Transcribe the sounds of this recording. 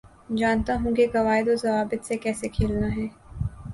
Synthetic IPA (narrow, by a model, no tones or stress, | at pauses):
d͡ʒaːnt̪aɦũkeɡɐʋaːɦɪd̪ozɐʋaːbɪt̪sekɛːsekʰeːlnaɦɛː